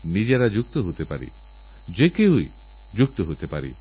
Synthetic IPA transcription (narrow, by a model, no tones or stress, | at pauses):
nid͡ʒeɾad͡ʒuk̚t̪ɔɦut̪ʰepaɾḭ | d͡ʒekeuḭ | d͡ʒuk̚t̪ɔɦut̪ʰepaɾḭ